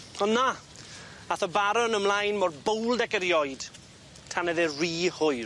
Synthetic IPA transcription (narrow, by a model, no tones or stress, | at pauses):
ɔnnːa | aθɔbaɾɔnəmlˠajnmɔrbowlˠdɛkəɾjɔjd̥ | tʰanɛðɪriːhʊj